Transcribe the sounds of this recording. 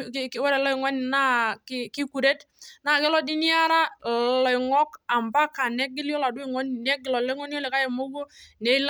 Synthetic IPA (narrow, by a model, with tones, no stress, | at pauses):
kwɛ˦ɾɛ˨lɔ˦i˨ŋɔ˦ni˨na˦ki˦ki˦ku˨ɾe˦tna˨kɛ˦lɔ˦di˦ni˦a˦ɾa˦lɔ˨i˨ŋɔ˦ka˨mba˦ka˨nɛ˦k̚ːɪ˦ljɔ˦la˨dʊ˦i˨ŋɔ˦n˨nɛ˦kːɪ˨lɔ˨lɔ˦ŋɔ˦n˦ɔ˦lɛ˨ka˦jɛ˨mo˦bo˦nɛ˨˦l